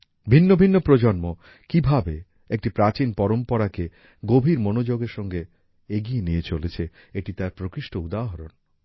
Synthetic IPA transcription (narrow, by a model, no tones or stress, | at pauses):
bʱinːobʱinːopɾod͡ʑonmo | kibʱabe | ek̚ʈipɾat͡ɕinpɔɾompoɾake | ɡobʱiɾmonod͡ʑoɡeɾʃɔŋɡe | eɡijeniet͡ɕolet͡ɕʰe | eʈit̪aɾpɾokiʃʈoud̪aɦoɾon